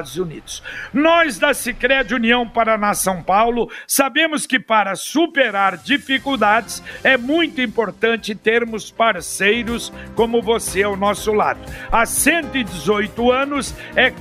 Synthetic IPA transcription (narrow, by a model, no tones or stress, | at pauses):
d̪ʊzunḭd̪ʊsnɔzd̪ɐsikɾɛd͡ʒuniɐ̃w̃paɾɐnasɐ̃w̃pawlʊsabẽmʊskɪpaɾɐsupeɾaɾd͡ʒifikuwd̪ad͡ʒɪsɛmũj̃t̪ʊĩmpoɾt̪ɐ̃nt͡ʃɪt̪eɾmʊspaɾsejɾʊskõmʊvoseawnɔsʊla̰d̪ʊasẽnt̪ʊɪd͡ʒɪzojt̪ʊɐ̃nʊs | ɛ